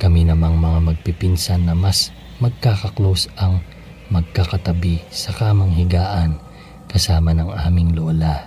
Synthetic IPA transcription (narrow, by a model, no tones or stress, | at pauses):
kɐminɐmaŋmɐŋamɐɡ̚pipinsanːɐmɐs | mɐɡ̚kakɐklosɐŋ | mɐɡ̚kakɐt̪ɐbisɐkaːmɐŋhɪɡaːʔɐn | kɐsaːmɐnɐŋa̰ːmɪŋloːla